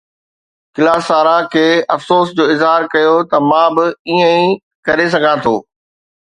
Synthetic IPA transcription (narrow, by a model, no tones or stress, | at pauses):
kɪlaːsaːɾãkʰeːɐfsoːsd͡ʑoːɪzɦaːɾkɐjot̪ɐmãːbɪiːə̃ĩ | kɐɾes̬ɐɡʱãt̪ʰo̰ː